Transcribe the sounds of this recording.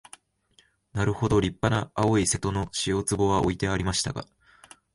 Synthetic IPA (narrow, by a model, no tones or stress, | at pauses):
naɾɯ̟ho̞d̪o̞ɾʲipːanaːo̞ise̞t̪o̞no̞ɕijo̞t͡sɨbo̞βaʔo̞̰it̪e̞aɾʲimaɕi̥t̪aɡa̰